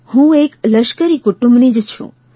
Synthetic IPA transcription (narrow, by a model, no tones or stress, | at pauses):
hũekləʃkəɾikuʈũmbnid͡ʒt͡ʃʰṵ̃